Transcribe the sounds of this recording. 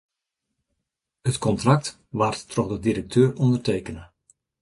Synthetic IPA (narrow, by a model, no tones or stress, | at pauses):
hətkɔntrak̚t | ʋarttrɔxdədiɾək̚tʰøːrɔndərteːkənə